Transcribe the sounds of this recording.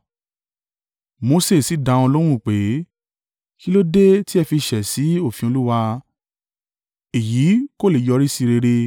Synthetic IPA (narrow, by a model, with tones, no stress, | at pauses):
mo˧se˦˨si˨˦dã˨˧ɔ̃˧lo˦ɾ̃ũ˦˨k͡pe˨˦ | ki˦lo˦de˦ti˦ɛ˧fi˧ʃɛ˨si˨˦o˦˨fĩ˨˧o˧lu˦wa˧ | e˨ji˨˦ko˦le˨jɔ˧ɾi˦si˧ɾe˧ɾe˧